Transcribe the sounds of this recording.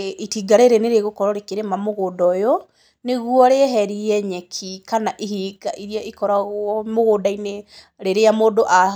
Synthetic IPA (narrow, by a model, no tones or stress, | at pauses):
itiɡaɾeɾeneɾeɣokɔɾɔɾekeɾemamoɣoːdɔjo | neɣwɔɾeɦɛɾiɛɲɛkʰikanaʔihiɡaʔiɾiaikɔɾaɣɔmoɣoːdaine | ɾeɾeamoːdoʔa